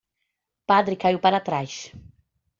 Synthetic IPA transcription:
pad̪ɾɪkajuwpaɾat̪ɾajs

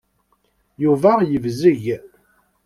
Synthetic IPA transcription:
juvæjəvzəʝ

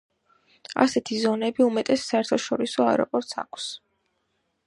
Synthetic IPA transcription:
a̰sɛt̪ʰizɔnɛbiumɛt̪ʼɛsːaɛɾt̪ʰɔʃɔɾisɔaɛɾɔ̰pʼɔɾt̪sa̰kʰs

